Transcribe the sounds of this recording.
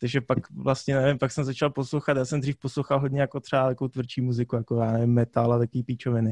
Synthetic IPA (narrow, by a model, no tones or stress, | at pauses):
t̪aɡʒɛpakvlast̪ɲɛnɛvɪmpaksɛmzat͡ʃalposlowxat̪jaːsɛmd̪riːfposlowxalɦodɲɛjakot̪r̥ɛaɛkowt̪vrt͡ʃiːmuzɪkujakojaːnɛvɪmːɛt̪alat̪akoviːpit͡ʃovɪnɪ